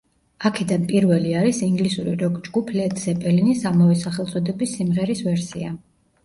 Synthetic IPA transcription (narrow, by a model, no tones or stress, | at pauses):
akʰɛd̪anpʼiɾvɛliaɾisiŋɡlisuɾiɾɔɡd͡ʒɡupʰlɛt̪ʼsɛpʼɛlinisamavɛsaχɛlˠt̪sʼɔd̪ɛbisːimʁɛɾisvɛɾsḭa